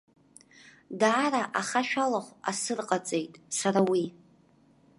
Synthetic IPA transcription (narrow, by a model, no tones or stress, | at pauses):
daːɾaʔaχaʃᶣalaχʷasɨrqʼat͡sʼe̞jtʼsaɾawi